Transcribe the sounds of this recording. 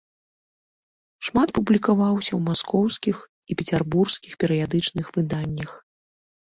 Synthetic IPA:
ʂmat̪̚publʲikavawsʲɐwmaskɔwskʲix | ipʲɛt͡sʲɛrburskʲixpʲɛɾɨjad̪ɨt͡ʂnɨxvɨd̪anʲːɐx

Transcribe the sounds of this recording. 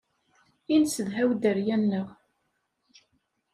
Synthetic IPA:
insəðɦæwd̪əɾjænːəʁ

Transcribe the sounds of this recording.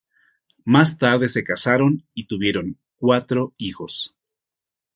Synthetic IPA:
mast̪aɾðe̞se̞kasaɾo̞nit̪uβje̞ɾo̞ŋ | kwat̪ɾo̞ixo̞s

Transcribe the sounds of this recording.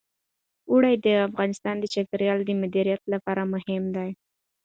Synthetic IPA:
uɽajd̪əafɣɑnɪst̪ɑnd̪ət͡ʃakaɾijɑld̪əmʊd̪iɾijat̪lapɑɾamʊhɪmd̪aj

